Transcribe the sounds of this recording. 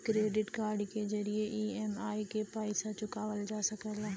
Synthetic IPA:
kɾeːɖɪʈkaːɾɖkʰed͡ʒɐɾieʔiːeːmaːikepaːɪsat͡ʃʊkaːʋəld͡ʒaːsɐkəlaɦ

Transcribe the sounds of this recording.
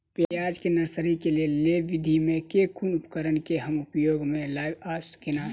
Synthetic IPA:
pjajaːd͡ʒkenəɾsəɾikelieleʋɪd̪ʱimẽkekʰunʊpkəɾənkeɦəmʊpjoːɡmẽlaɪbaskena

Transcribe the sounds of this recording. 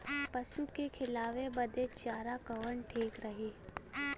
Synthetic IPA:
pɐʃukekʰɪlaːʋebɐd̪et͡ʃaːɾakɐʋəɳʈʰeːkɾɐɦeː

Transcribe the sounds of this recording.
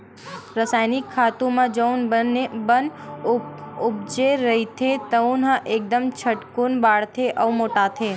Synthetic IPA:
ɾəsajnikʰːat̪ũmãd͡ʒəunbənebən | ub̚d͡ʒeɾəɦit̪ʰet̪əũnɦãʔek̚d̪əmt͡ʃʰəʈkunbaɽt̪ʰeʔəumoʈat̪ʰe

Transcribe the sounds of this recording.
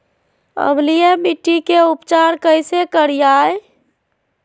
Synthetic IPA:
ə̰blijemiʈːikeupt͡ʃaɾkəɪsekəɾijaj

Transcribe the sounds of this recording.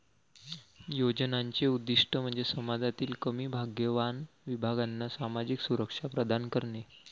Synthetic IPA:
jod͡ʑnaɲt͡ɕeud̪ːiʂʈəm̤əɳd͡zesəmad͡zat̪iːlkəmiːbʱaɡjəʋanʋibʱaɡanːasamad͡ʑiksuɾəkʂapɾəd̪ʱankəɾɳe

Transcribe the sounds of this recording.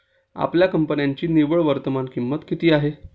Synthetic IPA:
a̰pljakəmpənjaɲt͡ɕiːniʋəɭʋəɾt̪əmankimːət̪kit̪iːaɦe

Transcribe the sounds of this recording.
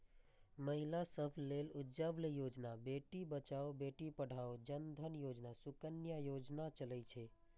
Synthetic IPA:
məɦilasəbʱlelud͡ʒəblejod͡ʒnabeʈibət͡ʃaobeʈipəɽ̤ʱaod͡ʒənd̪ʱənjod͡ʒnasukənjajod͡ʒnat͡ʃələjt͡ʃʰɛ

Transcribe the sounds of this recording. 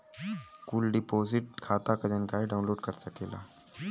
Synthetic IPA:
kuːlɖipoːsiʈ̚kʰaːt̪akɐd͡ʒənkaeɖaunloːɖkəɾsəkeːla̰ː

